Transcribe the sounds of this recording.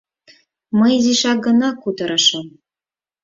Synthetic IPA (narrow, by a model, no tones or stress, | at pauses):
mɤjiziʃɑɡɤ̆nɑkut̪ɤ̆ɾɤʃɤ̆m